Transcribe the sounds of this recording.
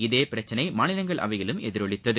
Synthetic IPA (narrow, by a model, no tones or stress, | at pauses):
ɪðeːpɪɾɐt͡ʃːɐnɐɪmaːnɪlɐŋɡɐɭʔɐ̰ʋɐɪɣɪɭɯmɛðɪɾɔɭɪt̪ːɐðɯ